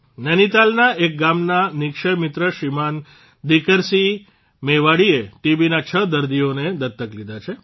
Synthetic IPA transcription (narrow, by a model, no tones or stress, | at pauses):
nənit̪alnaʔek̚ɡamnanɪkʃəɾmɪt̪ɾəʃiman | d̪ikəɾsi | meʋaɽieʈibinat͡ʃʰəd̪əɾd̪ioned̪ət̪ːəklid̪ʱat͡ʃʰe